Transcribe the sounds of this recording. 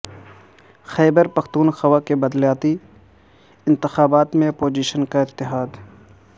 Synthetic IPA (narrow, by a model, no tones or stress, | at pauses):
xɛːbəɾpɐxt̪uːnxɐwakebɐd̪ljaːt̪i | ɪ̃nt̪ɪxaːbaːt̪mẽɐpoːd͡ʒiːʃənkaɪt̪ːɪɦaːd̪